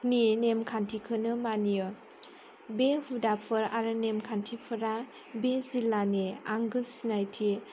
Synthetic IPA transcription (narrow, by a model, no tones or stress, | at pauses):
ninemkʰantʰikʰɯnɯmanijɯ | behudapʰɯɾaɾɯnemkʰantʰipʰɯɾa | bezilːaneaŋɡɯlsinajtʰi